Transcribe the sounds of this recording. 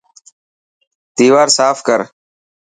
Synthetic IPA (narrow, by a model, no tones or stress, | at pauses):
t̪iːʋaːɾsaːfkəɾ